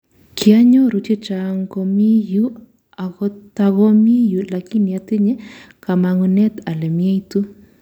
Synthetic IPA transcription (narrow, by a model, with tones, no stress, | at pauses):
kʰi˨a˦ɲɔ˦ɾu˨te˦t͡ʃa˨ŋkɔ˧mi˦ju˦ | a˨ɣɔta˨ɣɔ˦mi˦ju˨la˨ki˦ni˨a˨tɪ˦ɲɛ˦ | ka˨ma˨ŋu˨nɛ˦t̪a˨lɛ˨mja˦itu˦